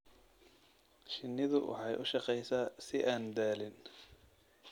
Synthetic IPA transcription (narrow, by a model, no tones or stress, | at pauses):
ʃɪnːɪðʊwɑ̰ħɑjʔʊ̰ʃɑqɛjsaːsɪʔaːnd̪aːlɪn